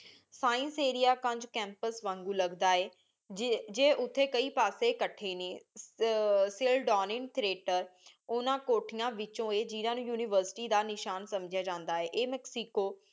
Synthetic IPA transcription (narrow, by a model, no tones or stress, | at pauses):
saːɪ̃nseːɾijaːkə̃ɲd͡ʒkɛ̃ːmpəsʋãːŋɡuːləɡd̪aːeː | d͡ʒd͡ʒeːʔʊt̪ʰːeːkəiːpaːseːkəʈʰːeːneː | sɪlɖɔːnɪ̃ɳɖ̚t̪ʰɾeːʈəɾʊnãːkoːʈʰɪjãːʋɪt͡ʃõːeːd͡ʒiːnãːnũːjuːnɪːʋəɾsɪ̥ʈiːd̪aːnɪʃaːnsəmd͡ʒjaːd͡ʒãːnd̪aːɛːʔeːmɛːksiːkoː